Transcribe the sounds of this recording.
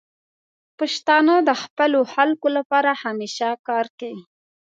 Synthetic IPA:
paʃt̪ɑnod̪əxpəloxalkolapɑɾahameʃakɑɾkawi

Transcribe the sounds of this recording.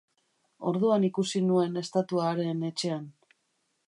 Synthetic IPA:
o̞ɾðuanikusinue̞ne̞st̪at̪uaɾe̞ne̞t͡ʃe̞an

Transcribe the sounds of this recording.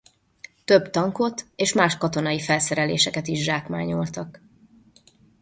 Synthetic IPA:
t̪øbt̪ɒŋko̞t̪eːʃmaːʃkɒt̪o̞nɒifɛlsɛɾɛlḛːʃɛkɛt̪iʒʒaːkma̰ːɲolt̪ɒk

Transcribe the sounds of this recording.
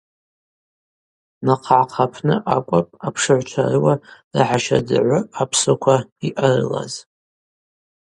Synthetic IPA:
naqʰʕaqʰapʰnɨʔakʷʼapʼapʰʂɨʕʷt͡ʃʷʰarɨwarɨ̰ħaʃadɨ̰ʕʷʊapʰsokʷʰaiʔarɨ̰la̰z̥

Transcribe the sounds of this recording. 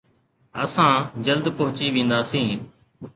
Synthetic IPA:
ə̰sãːd͡ʒəld̪pəɦʊt͡ʃiːʋĩːnd̪aːsĩː

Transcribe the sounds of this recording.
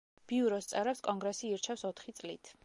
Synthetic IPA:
b̥iuɾɔst̪sʼɛɾɛpskʼɔŋɡɾɛsiiɾt͡ʃʰɛfsɔt̪ʰχit̪sʼlḭt̪ʰ

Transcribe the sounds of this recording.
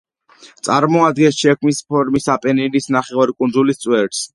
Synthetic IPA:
t̪sʼaɾmɔad̪ɡɛnsʃɛkʰmispʰɔɾmisapʼɛninisnaχɛvaɾikʼunzulist̪sʼwɛɾs

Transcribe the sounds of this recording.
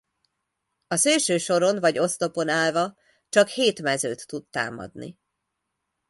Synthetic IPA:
ɒseːlʃøːʃo̞ɾo̞nvɒɟo̞st̪o̞po̞naːlvɒ | t͡ʃɒkheːt̪mɛzøːt̪ːud̪ːa̰ːmɒ̰d̪nḭ

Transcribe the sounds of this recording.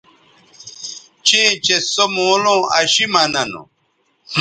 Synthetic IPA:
t͡ɕĩt͡ɕesomoːlõɐ̰ɕimɐnɐnṵ

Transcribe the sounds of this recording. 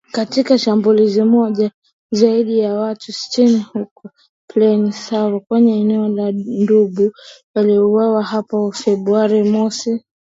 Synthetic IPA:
katikaʃambulizimɔʄa | zaiɗijawatusi̥tinihukɔ | plɛnisawɔkwɛɲɛːnɛɔlanduɓuwaliuwawahapafɛɓɾuaɾimɔsi

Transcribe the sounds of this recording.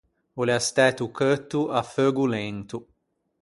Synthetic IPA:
uleast̪ɛt̪ukʰət̪ːuafəɡulent̪u

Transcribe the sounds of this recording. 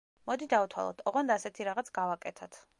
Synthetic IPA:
mɔd̪id̪aut̪ʰwa̰lˠɔ̰t̪ʰɔʁɔnd̪aːsɛt̪ʰiɾaʁat̪sʰɡavakʼɛt̪ʰat̪ʰ

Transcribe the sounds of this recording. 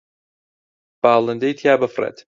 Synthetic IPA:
b̥aːlˠɨnd̪ejt̪ʰjaːbɨfrḛt̪

